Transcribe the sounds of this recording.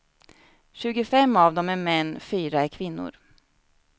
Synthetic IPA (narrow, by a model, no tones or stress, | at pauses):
ɕʉ̟ːɡʊfɛmːavd̪ɔmæɾmɛnːfyːɾaæɾkʰvɪnːʊ̰ɾ